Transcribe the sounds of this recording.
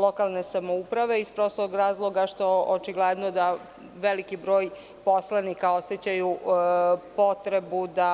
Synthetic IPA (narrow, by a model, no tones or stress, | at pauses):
lo̞kalˠne̞samoupɾaʋe̞ispɾosooɡɾaːzlˠo̞ɡaʃt̪o̞ʔot͡ʃiɡled̪nod̪a | ʋelikibɾo̞ːj | po̞slˠanikao̞sjet͡ɕaju | po̞t̪ɾe̞bud̪a